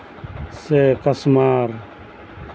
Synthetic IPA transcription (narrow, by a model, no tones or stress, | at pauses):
sekɐsmaːɾ